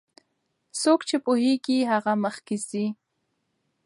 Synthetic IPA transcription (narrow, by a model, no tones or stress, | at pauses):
sʊkt͡ʃɪpʊhijkɪhɑɢɑmɑχkɪsi